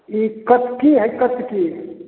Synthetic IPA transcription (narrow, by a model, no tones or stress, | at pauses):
ikət̪kiɦəkət̪ki